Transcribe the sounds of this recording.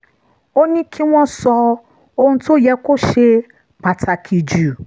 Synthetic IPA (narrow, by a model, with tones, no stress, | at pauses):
o˦nĩ˦kʰĩ˦wʷɔ̃˦sɔ˧ | o˦hũ˦to˦˨jɛ˨˦ko˦ʃe˦ | ba˨ta˨kʰi˨d͡ʒu˨